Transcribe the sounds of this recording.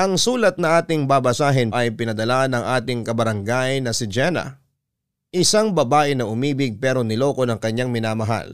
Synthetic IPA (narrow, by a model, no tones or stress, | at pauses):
ʔɐŋsuːlɐt̪̚nɐʔaːt̪ɪŋbaːbɐsaːɦɪnʔɐjpɪnɐd̪ɐlanɐŋʔaːt̪ɪŋkɐbɐɾɐŋɡajnɐsɪd͡ʒɛnɐ̰ | ʔɪsaŋbɐbaːʔɪnɐʔʊmiːbɪɡ̚pɛɾo̞nɪlo̞ːko̞nɐŋkɐɲːaŋmɪnaːmɐɦa̰l